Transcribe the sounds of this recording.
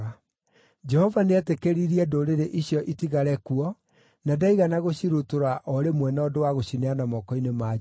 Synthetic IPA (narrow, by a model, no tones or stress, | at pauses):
a | d͡ʒɛhɔvaneɛtekeɾiɾiɛdoɾeɾeʔiɕjɔʔitiɣaɾɛkuɔ | nadaiɣanaɣoɕiɾotoɾaʔɔɾemwɛnɔdowaɣoɕineanamɔkɔinema